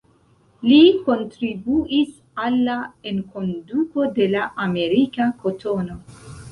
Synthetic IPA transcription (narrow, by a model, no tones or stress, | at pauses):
liko̞ntɾibuis | alːaenko̞nduko̞de̞laʔame̞ɾikakʰotʰono̞